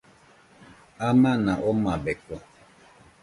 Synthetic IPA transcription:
amanaʔomabekɔ

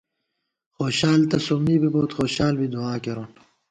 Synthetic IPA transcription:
xoːɕaːlt̪ɐsomiːbiboːt̪xoːɕaːlbid̪uaːkeɾon

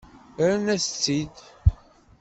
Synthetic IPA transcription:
ɾnæst͡sːid̪

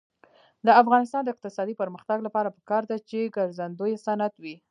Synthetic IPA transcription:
d̪əafɣɑnɪs̬t̪ɑnd̪əɪq̚t̪ɪsɑd̪ipəɾməxt̪aɡlapɑɾapə̥kɑɾd̪at͡ʃeɡaɾzand̪ojesanat̪wi

